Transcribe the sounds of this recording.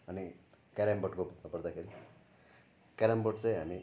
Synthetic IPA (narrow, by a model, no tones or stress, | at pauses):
ʌni | kaɾamboʈkopʌɾd̪akʰeɾi | kaɾamboʈt͡sãĩɦa̰mi